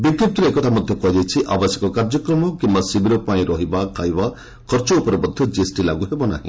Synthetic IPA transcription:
bikɾip̚t̪ɔɾeekɔt̪ʰamɔd̪ʱjɔkɔɦid͡ʒajt͡ʃʰiʔa̰bɔsjekɔkaɾd͡ʒɔkɾɔmɔkimbasibiɾɔpaĩɾɔɦibakʰajba | kʰɔɾt͡ʃɔupɔɾɔbɔd̪ʱjɔd͡ʒiesʈilaɡuɦebɔna̰ɦḭ̃

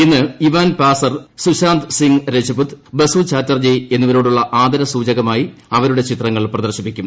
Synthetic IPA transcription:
inːɨiʋaːnpaːsɐrsuɕaːnt̪siŋɾet͡ɕɐbut̪bɐsut͡ɕaːtːɐrd͡ʑeje̞nːuʋɐɾo̞ːɽuɭːɐʔaːd̪ɐɾɐsuːd͡ʑɐɣɐmaːjiɐʋɐɾuɽe̞t͡ɕit̪rɐŋːɐɭprɐðɐrɕipːikʲːum

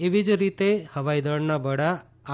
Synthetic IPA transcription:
eʋid͡ʒɾit̪ehəʋajd̪əɽnabəɽa

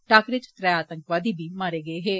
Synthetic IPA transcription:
ʈaːkɾɪt͡ʃt̪ɾɛjaːt̪əŋkʋaːd̪iːbʱiːmaːɾeːɡəeːɦeː

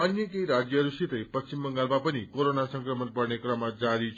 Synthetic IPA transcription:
ʌnjʌkeiɾad͡ʒjʌɦɾusit̪əjpʌst͡ʃimbʌŋɡalmapʌnikoɾonasʌ̃ŋkɾəmən̚pʌɾnekɾʌmad͡ʒaɾit͡ʃʰ

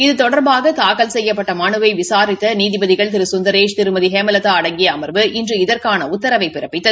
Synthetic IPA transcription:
ɪðɯt̪ɔɽɐɾbaːɣɐt̪aːkɐlsɛjːɐpːɐʈːɐmɐɳɯʋɐɪʋɪsaːɾɪt̪ːɐniːðɪbɐðɪɣɐɭt̪ɪɾɯsʊnd̪ɐɾeːʂt̪ɪɾɯmɐðɪɦɛːmɐlɐt̪ːaːɐɽɐŋɡɪjɐːmɐɾʋɯɪndrɯɪðɐɾkaːnɐʊt̪ːɐɾɐʋɐɪpːɪrɐpːɪt̪ːɐ

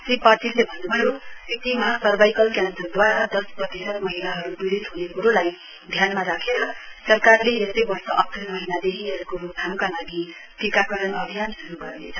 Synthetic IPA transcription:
sripatilːebʱʌnːubʱʌjosik̚t̪imasʌrbajkʌlkjand̪ʌrd̪waɾad̪ʌsprʌt̪isʌt̪mʌɦilaɦʌɾubiɾit̪ɦunekuɾolaj | d̪ʱjanmaɾakʰeɾʌsʌrkarleesʌjbʌrsʌʔʌk̚t̪rʌnmʌɦinad̪eɦiʌɾkokʰamkalaɡi | kikakʌɾʌnʌbʱijansuɾuɡʌrnḛt͡sʰʌ

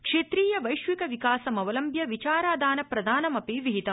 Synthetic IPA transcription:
kʂeːt̪ɾiːjɐʋɐjʃʋikɐʋikaːsɐmɐʋɐlɐmbʱjɐʋit͡ʃaːɾaːd̪aːnɐpɾɐd̪ʱaːnɐmɐpiʋiɦit̪ɐ

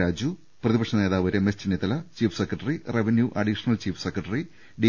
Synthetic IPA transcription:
aːd͡ʑu | prɐðibɐkʂɐne̞ːðaːʋɐɾemest͡ɕinːit̪ːɐlɐt͡ɕiːfsekrɐʈːɐrireʋenjuʔɐɖiʂɐnɐlt͡ɕiːfʰsekrɐʈɐri | ɖi

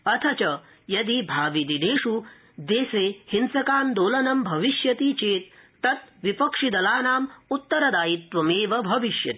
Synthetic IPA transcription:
ɐt̪ʰɐt͡ʃɐ | jɐd̪ibʱaːʋid̪ineːʂu | d̪eːseːhinsɐkaːnd̪oːlɐnɐmbʱɐʋiʃjɐt̪iːt͡ʃeːt̪ː | ɐt̪̚ʋipɐkʂid̪ɐlaːnaːmut̪ːɐɾɐd̪aːjit̪ʋɐmeːʋɐbʱɐʋiʃjɐ̰t̪i̥

